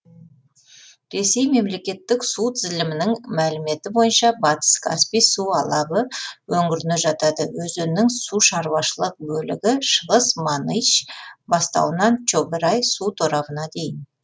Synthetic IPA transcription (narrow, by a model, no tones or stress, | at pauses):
ɾe̞se̞jme̞mle̞kʲe̞t̪ːɪksut̪ʰɪzlʲɪmɪnɪŋmælɪme̞t̪ɪbo̞jənʃɑbɑt̪ə̥skʰa̰spijsuɑlˠɑbəwɵŋɡʲɪɾɪnɪʒɑt̪ɑd̪əwɵzønnːɪŋsuʃɑɾwɑʃəlˠəq̚bɵlɪ̰ɡʲɪʃəʁəsmanijt͡ʃbɑst̪ɑ̰lˠənɑnt͡ʃobɪɾɑjsut̪ʰoɾɑbənɑd̪e̞jɪn